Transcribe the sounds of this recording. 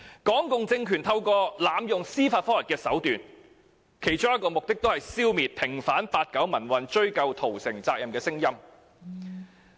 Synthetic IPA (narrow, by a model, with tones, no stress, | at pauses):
kɔː˨˥ŋkʊ˨ŋt͡sɪ˧ŋkʰyː˨˩nt̪ʰɐ˧wkɔː˧laː˨˧mjʊ˨ŋsiː˥faː˧tfɔː˥lɐ˨˩kɛː˧sɐ˨˥wt̪yː˨n | kʰe˨˩jt͡ʃʊ˥ŋjɐ˥tkːɔː˧mʊ˨k̚t̪ɪ˥k̚t̪o˥whɐ˨jsiː˥wmiː˨t̚pʰɪ˨˩ŋfaː˨˥npaː˧t̚kɐ˨˥wmɐ˨˩nwɐ˨nt͡ʃɵ˥ɥkɐ˧wt̪ʰo˨˩wsɪ̰˨˩ŋt͡saː˧k̚jɐ˨mkɛː˧sɪ˥ŋjɐ˥m